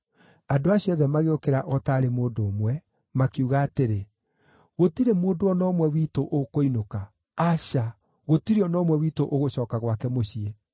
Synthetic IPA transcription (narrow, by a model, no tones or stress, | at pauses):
adoaɕiɔðɛmaɣeokeɾaʔɔtaːɾemoːndoːmwɛ | makiuɣaːteɾe | ɣotiɾemoːndoɔnɔmwɛwiːtoʔokoinoka | aɕa | ɣotiɾeɔnɔːmwɛwitoʔoɣoɕɔːkaɣwakɛmoɕie